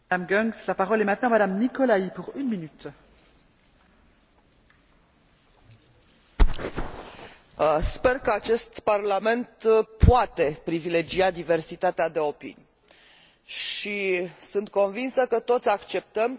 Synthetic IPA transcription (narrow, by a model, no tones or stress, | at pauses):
amɡɔŋslapaʁɔlɛmɛ̃t̪nɑ̃mad̪amnikɔlaipuʁynminyt̪ | spe̞rkəat͡ʃe̞st̪parlame̞nt̪pʰoat̪e̞pɾivile̞d͡ʒiad̪ive̞rsit̪at̪ead̪e̞o̞pḭnʲ | ʃisɨnt̪̚kõ̞nvinsəkət̪o̞t̪sʲakt͡ʃe̞p̚t̪əm